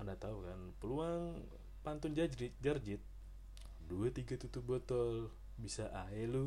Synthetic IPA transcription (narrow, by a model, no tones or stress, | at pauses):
anat̪aukanpəluaŋ | pant̪ʊnd͡ʒad͡ʒɾɪt̪̚d͡ʒard͡ʒɪt̪̚ | duat̪iɡat̪ut̪ubɔt̪ɔl | bisaʔaɦɛlu